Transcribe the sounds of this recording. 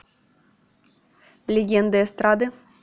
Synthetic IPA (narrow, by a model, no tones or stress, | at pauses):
lʲeɡʲɛnd̪ɨɛst̪ɾad̪ɨ